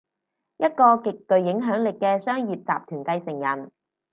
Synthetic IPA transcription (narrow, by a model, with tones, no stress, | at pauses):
jɐ˥t̚kɔː˧kɪ˨k̚ːɵ˨ɥjɪ˨˥ŋɦœː˨˥ŋlɪ˨kːɛː˧sœː˥ŋjiː˨p̚t͡sa̰ː˨p̚t̪ʰyː˨˩nkɐ˧jsɪ˨˩ŋjɐ˨˩n